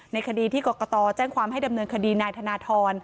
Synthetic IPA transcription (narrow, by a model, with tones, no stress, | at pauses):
na˧jkʰa˧diː˧t̪ʰiː˥˩kɔː˨˩kɔ˧t̪ɔː˧t͡ɕɛː˥˩ŋkwaː˧mɦa˥˩jda˧mnɤː˧nkʰa˧diː˧naː˧jt̪ʰa˧naː˧t̪ʰɔː˧n